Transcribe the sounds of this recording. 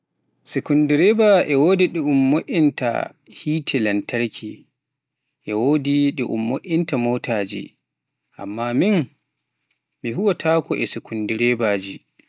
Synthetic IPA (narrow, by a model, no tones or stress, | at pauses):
sekundiɾɛbaʔɛwoːdiɗɛumːoʔʲinta̰ | hiːtʰɛlantaɾkʰi | ʔɛwoːdiɗɛʔṵmːoʔintamoːtʰaːd͡ʒḭ | ʔa̰mːamin | miɦuwatʰaːkɔʔɛsikundiɾɛbad͡ʒi